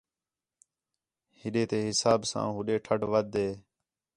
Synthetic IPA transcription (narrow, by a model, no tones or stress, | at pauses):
hɪɗeːt̪eːɦɪsaːbsã̰ːɦʊɗeːʈʰəʈʋəd̪eː